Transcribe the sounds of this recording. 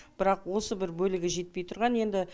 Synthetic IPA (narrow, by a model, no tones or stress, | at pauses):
b̥ɪɾɑqwo̞səbɪɾbɵlɪɡʲɪʒe̞t̪̚pe̞jt̪ʰʊɾʁɑnje̞nd̪ɪ